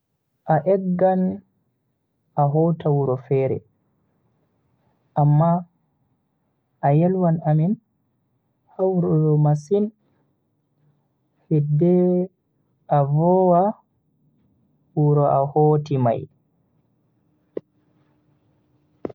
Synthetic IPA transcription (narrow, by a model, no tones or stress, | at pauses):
ʔaʔɛɡːan | aɦɔtawuɾɔfɛɾɛ̰ | ʔamːa | ʔːjɛlwanamin | hawɾɔdɔmasin | hɛdːɛ | ʔavɔwa | wuɾɔʔahoːtima̰j